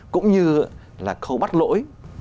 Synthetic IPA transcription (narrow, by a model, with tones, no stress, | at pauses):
kʊ̰˧˥wŋ͡mɲɨ˧ | laː˨˩xə˧wɓa˦˥t̚lo̰˧˥j